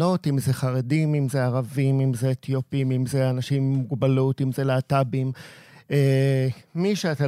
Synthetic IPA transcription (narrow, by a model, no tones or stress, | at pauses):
o̞timzeχaʁedimimzeaʁavimimzeːt̪ʰjopimimzeanaʃimːuɡbalutimzeleatabime | miʃeat̪a